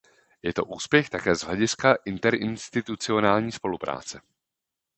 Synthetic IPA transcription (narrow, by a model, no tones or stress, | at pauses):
jɛt̪o̞ʔuːspjɛxt̪akɛːzɦlɛɟɪskaʔɪnt̪ɛɾɪnst̪ɪt̪ut͡sɪo̞naːlɲiːspo̞lupɾʔa̰ːt͡sɛ